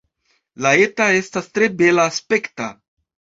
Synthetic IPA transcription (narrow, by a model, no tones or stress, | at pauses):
lae̞tae̞stastɾe̞be̞laːspe̞kta